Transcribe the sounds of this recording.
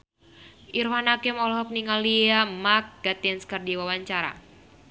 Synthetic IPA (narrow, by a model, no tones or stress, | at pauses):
ʔirwanakɛmɔlɔɦɔk̚niŋaliamak̚ɡ̥at̪iɛnskərdiwawaɲt͡ʃaɾa̰